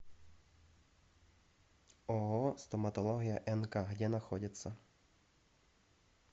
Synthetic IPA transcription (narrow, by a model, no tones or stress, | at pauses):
ɔɦɔst̪ɔmɐt̪ɔlˠɔɦʲijɐʔɛnkaɦdʲɛnɐxɔdʲɐt͡sʲːɐ